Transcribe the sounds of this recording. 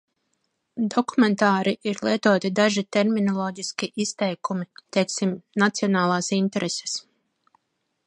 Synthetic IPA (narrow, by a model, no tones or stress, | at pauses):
d̪ɔkument̪aːɾiʔiɾlˠiɛt̪uɔt̪id̪aʒit̪eɾminɔlˠɔːɟiskʲiʔist̪ɛjkumit̪ɛjksimnat̪siɔnaːlˠaːsint̪eɾese̥s